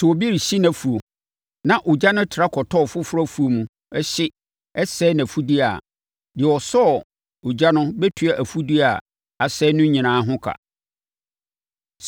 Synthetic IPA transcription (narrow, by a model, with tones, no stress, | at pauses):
sʊ˨o˨bi˦ɾi˨ɕi˦nã˨fu˨o˨ | nã˨ʔʊ˨d͡ʑa˦nʊ̃˦tʰɪ˨ɾa˦kʰɔ˨tʰɔ˦ɔ˨fʊ˦fʊ˦ɾɔ˦fu˨o˨mũ˨ | ɛ˦ɕɪ˦ | ɛ˦sɛː˦nã˨fu˦di˦a̰˨ | dɪ˨wɔ˨sɔ˦ɔ˨ | o˨d͡ʑa˦nʊ̃˦bɛ˦tʰu˨a˨ʔæ˨fu˦di˦a˨ | a˨sɛ˦nʊ̃˦ɲĩ˨nãː˨˦ɦʊ̃˦kʰa̰˨